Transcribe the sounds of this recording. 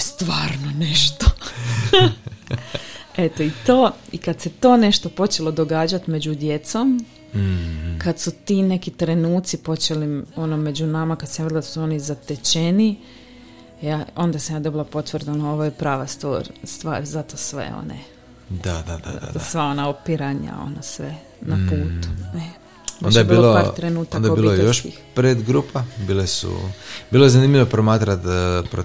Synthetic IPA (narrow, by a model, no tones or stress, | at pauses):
st̪ʋaːɾnoneʃt̪o | et̪oit̪o̞ːikad̪se̞t̪o̞ːne̞ʃt̪o̞po̞t͡ʃe̞lˠo̞d̪o̞ɡaːd͡ʑat̪me̞d͡ʑud̪je̞t̪som | kad̪sut̪ine̞kit̪ɾe̞nuːt̪sipo̞t͡ʃe̞lio̞nome̞d͡ʑunamakad̪samjelˠad̪asuo̞nizat̪et͡ɕeni | jao̞nd̪asamjaːd̪o̞bilˠapo̞t̪ʋrd̪onoo̞ʋojepɾaːʋast̪ʋo̰ːɾst̪ʋa̰ːɾzat̪osʋḛo̰nḛ | d̪ad̪ad̪a̰a̰sʋao̞naopiɾaɲa̰o̞̰nasʋe | napuːt̪u̥ne | onajebiiːloloaːɾt̪ɾenuːt̪aaknd̪aobillojejoʃi | pɾeːd̪ɡɾuːpʰabiːlesṵbiːlojezaniːmʎʲiʋopɾomaːt̪ɾat̪pɾo